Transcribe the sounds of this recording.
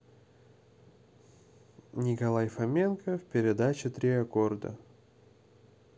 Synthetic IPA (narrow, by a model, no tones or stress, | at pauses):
nʲɪkɐlˠajfɐmʲe̞nkəfpʲɪɾʲɪd̪at͡ɕɪt̪ɾʲiɐko̞rd̪ə̰